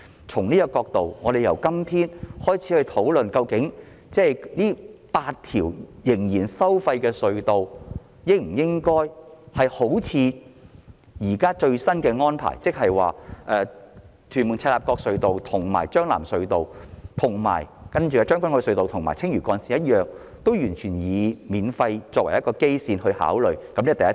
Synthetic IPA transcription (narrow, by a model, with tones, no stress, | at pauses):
t͡sʰʊ˨˩ŋniː˥jɐ˧kɔː˧k̚t̪o˨wŋɔː˨˧de˨jɐ˨˩wkɐ˥mt̪ʰiː˥nhɔː˥jt͡sʰiː˨˥hɵ˧ɥt̪ʰo˨˥wlɵ˨nkɐ˧wkɪ˨˥ŋ | t͡sɛː˥˩jniː˥paː˧t̚t̪ʰiː˨˩wjɪ˨˩ŋjiː˨˩nsɐ˥wfɐ˧jkɛː˧sɵ˧ɥt̪o˨w | jɪ˥k̚m̩˨˩jɪ˥ŋkɔː˥jhɐ˨jho˨˥wt͡sʰiː˨˧ | jiː˨˩kaː˥t͡ʃɵ˧ɥsɐ˥nkɛː˧ŋɔː˥npʰa̰ː˨˩jt͡sɪ˥k̚hɐ˨jwa̰ː˨ʔɛː˨˧t̪ʰyː˨˩nmʊ˨˩ŋt͡sʰɛː˧laː˨˩p̚kɔː˧k̚sɵ˧ɥt̪o˨wt̪ʰʊ˨˩ŋma̰ː˨˩jt͡ʃœː˥ŋla̰ː˨˩msɵ˨˧ɥt̪o˨wt̪ʰʊ˨˩ŋma̰ː˨˩jkɐ˥nt͡ʃyː˨˧kɐ˧t͡ʃœː˥ŋkʷɐ˥nkɔ˧sɵ˧ɥt̪o˨wt̪ʰʊ˨ŋma̰ː˨˩t͡sʰɪ˥ŋjyː˨˩kɔː˨˧nsi˨jɐ˥t̚jœː˨k̚ | t̪o˥wjyː˨˩nt͡ʃʰyː˨˩njiː˨˧miː˨˧nfɐ˧jt͡sɔː˧kwɐ˨˩jɐ˥tkɔː˧ke˥jsiː˧nhɵ˧ɥha̰ː˨˥wlɵ˨˩ɥkɐ˨˦mniː˥t̪jɐ˥